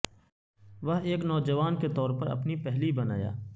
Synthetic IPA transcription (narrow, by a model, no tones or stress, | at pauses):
ʋɐɦeːknɔːd͡ʒɐʋaːnket̪ɔːɾpɐɾɐ̰pnipɛɦlibɐna̰ːja̰ː